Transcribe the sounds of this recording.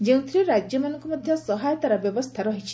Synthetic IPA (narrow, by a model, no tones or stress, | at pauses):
d͡ʒeũt̪ʰɾiɾad͡ʒjɔmanɔŋkɔmɔd̪ʱjɔsɔɦajɔt̪aɾɔbjɔbɔst̪ʰaɾɔɦit͡ʃʰi̥